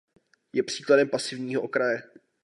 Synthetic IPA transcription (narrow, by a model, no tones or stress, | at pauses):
jɛpr̝̥iːkladɛmpasɪvɲiːɦoʔokɾajɛ